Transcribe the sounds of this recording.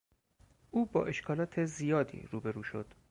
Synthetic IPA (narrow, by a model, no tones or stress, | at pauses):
ʔuːbɒ̰ːʔe̞ʃkʰɒːlɒːt̪ʰe̞zijɒːd̪ḭːɾuːbe̞ɾuːʃo̞̰d̪̥